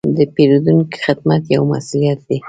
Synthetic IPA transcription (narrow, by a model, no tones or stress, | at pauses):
d̪əpeɾud̪unki̥xɪd̪mat̪jawma̰sulijat̪̚d̪e